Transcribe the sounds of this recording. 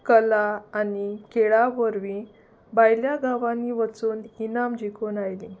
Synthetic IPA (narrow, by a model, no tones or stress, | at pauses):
kəlaːnikeɭaʋəɾʋĩ | bajljaɡaʋanːiʋət͡suːninamd͡ʑikʰuːnajlĩ